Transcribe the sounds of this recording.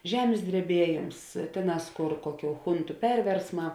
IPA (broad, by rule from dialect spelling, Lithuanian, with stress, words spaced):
ˈʒʲæːmʲeːs dʲrʲɛˈbʲiɛˌjeːms ˈtʲeːˌnɑːs ˈkoːr ˈkoːˌkʲuː ˈxʊntʊ ˈpʲɛrʲʋʲɛrsˌmɑː